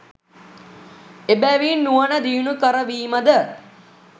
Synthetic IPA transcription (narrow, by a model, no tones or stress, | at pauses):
ebɛːʋiːnːuʋənəd̪iːunukəɾəʋiːməd̪ə